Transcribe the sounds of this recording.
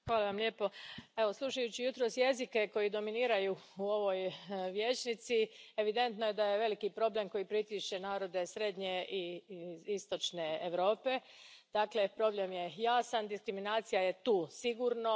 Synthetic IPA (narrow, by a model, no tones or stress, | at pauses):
xʋaːlˠaʋamʎʲe̞ːpo̞e̞ʋo̞slˠuʃajut͡ɕijut̪ɾo̞ːsje̞zike̞ko̞jid̪o̞miniːɾajuuo̞ʋo̞jʋje̞ːt͡ʃnit̪sieʋid̪e̞nt̪noje̞d̪aje̞ʋe̞likipɾo̞ble̞mko̞jipɾit̪iʃt͡ʃe̞naːɾo̞d̪e̞sɾe̞d̪ɲe̞i | ist̪o̞t͡ʃneeʋɾo̞ːpe̞ | d̪̥aːkle̞pɾo̞blemje̞jaːsand̪iskɾiminaːt̪sijaje̞t̪uːsiɡuːɾno̞